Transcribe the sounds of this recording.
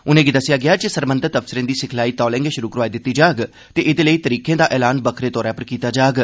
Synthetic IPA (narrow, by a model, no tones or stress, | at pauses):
ʊnẽːɡid̪əsɪjaːɡɪaːd͡ʒesəɾbənd̪əɾt̪əfsɪɾẽːd̪iːsɪkʰlaːiːt̪ɔːlɛ̃ːŋɡeʃʊɾuːkəɾʋaːiːd̪ɪt̪ːiːd͡ʒaːɡ | t̪eːʔɪd̪eːləiːt̪əɾiːkẽːd̪aːʔɛːlaːnbəkʰɾeːt̪ɔːɾãːpəɾkiːt̪aːd͡ʒaːɡ